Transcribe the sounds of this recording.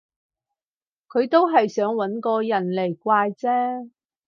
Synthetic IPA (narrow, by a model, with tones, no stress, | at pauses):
kʰɵ˨˧ɥt̪o˥wɦɐ˨jsœː˨˥ŋwɐ˨˥nkɔː˧jɐ˨˩nle˨˩jkʷaː˧jt͡sɛː˥